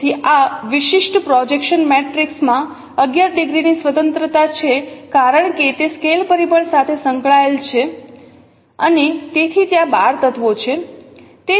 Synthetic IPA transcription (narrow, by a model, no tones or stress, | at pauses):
iʔaʋɪʃɪʃʈpɾɔd͡ʒekʃənmɛʈɾiksmã | əɡjaɾɖiɡɾinisʋət̪ənt̪ɾət̪at͡ʃʰekaɾəɳket̪eskelpəɾibəɳsat̪ʰesəŋkɭaelt͡ʃʰe | ənet̪et̪ʰit̪jãbaɾt̪ət̪ʰʋot͡ʃʰe | t̪e